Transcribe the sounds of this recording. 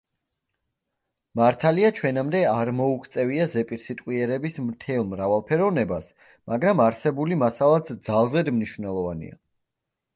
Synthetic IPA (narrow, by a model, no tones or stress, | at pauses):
maɾt̪ʰaliat͡ʃʰwɛnamd̪ɛaɾmɔukʰt̪sʼɛviazɛpʼiɾsit̪ʼqʼwiɛɾɛbismt̪ʰɛlˠmɾavalˠpʰɛɾɔvnɛbas | maɡɾamaɾsɛbulimasalˠat̪ʰd̪zalˠzɛd̪mniʃvnɛlˠɔvanḭa̰